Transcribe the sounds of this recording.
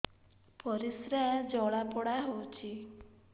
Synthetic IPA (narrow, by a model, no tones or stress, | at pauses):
pɔɾisɾad͡ʒɔɭapɔɽaɦot͡ʃʰi